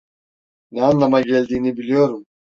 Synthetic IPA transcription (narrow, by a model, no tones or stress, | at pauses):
nɛanlˠamaɟɛlʲd̪iːnibilʲijo̞ɾum